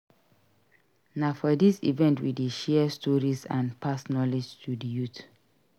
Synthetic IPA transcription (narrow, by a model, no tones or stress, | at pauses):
naʊfɔdisḭvɛ̃ntwḭdiʃɛstʰɔɹizã̰npʰasnɔlid͡ʒtʰudijut